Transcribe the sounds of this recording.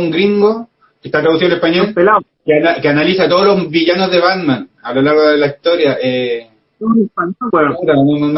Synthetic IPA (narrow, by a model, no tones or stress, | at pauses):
uŋɡɾiŋɡo | kest̪at̪ɾaðusiðoelepaɲolela | kenakeanalisat̪oðolozβiʝanozðe̞βad̪manalolaɾɣooðelaist̪oɾjaʔe | epaɲɾaonn